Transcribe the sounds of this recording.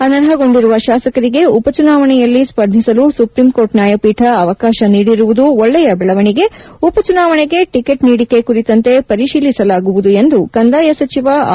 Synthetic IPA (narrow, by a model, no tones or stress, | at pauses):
ɐnɐɾɦɐɡo̞ɳɖiɾuʋɐʃaːsɐkɐɾiɡe̞upɐt͡ʃunaːʋɐɳɛjɐlːispɐɾd̪ʱisɐlusupɾimko̞ːɾʈnjaːjɐpiːʈʰɐɐʋɐkaːʃɐniːɽiɾuʋud̪uoɭːɛjɐbɛɭɐʋɐɳiɡe̞upɐt͡ʃunaːʋɐɳeɡe̞ʈike̞ʈniːɽikːe̞kuɾit̪ɐnt̪e̞pɐɾiʃiːlisɐlaːɡuʋud̪ue̞nd̪ukɐnd̪aːjɐsɐt͡ʃiʋɐ